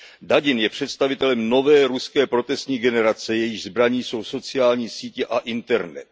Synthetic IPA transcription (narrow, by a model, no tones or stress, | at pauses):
daɟɪnjɛpr̝̥ɛt̪st̪avɪt̪ɛlɛmno̞vɛːɾuskɛːpɾo̞t̪ɛst̪ɲiːɡɛnɛɾat͡sɛjɛjɪxzbɾaɲiːso̞wso̞t͡sɪjaːlɲiːsiːcɛʔaʔɪnt̪ɛɾnɛ̰t̪